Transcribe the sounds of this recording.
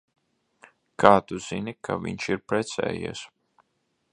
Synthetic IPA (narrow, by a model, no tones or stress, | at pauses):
kʰaːt̪uzinikʰa̰vḭɲʃiɾpɾɛt̪sɛ̰ːjḭɛs